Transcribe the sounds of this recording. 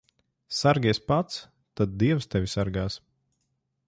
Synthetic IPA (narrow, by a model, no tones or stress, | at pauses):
saɾɡʲiɛspat̪s | t̪ad̪̚d̪iɛwst̪ɛvisaɾɡaːs